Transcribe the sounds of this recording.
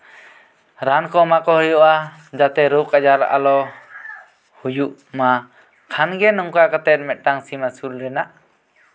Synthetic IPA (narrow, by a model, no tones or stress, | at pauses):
ɾankɔmakɔhɔjuʔa | d͡ʒat̪ɛɾokad͡ʒaɾʔa̰lɔ | hujuʔ | ma | kʰanɡɛnɔŋkakat̪ɛt̪̚ˀmɛt̪̚ˀʈaŋsimasulɾɛnaʔ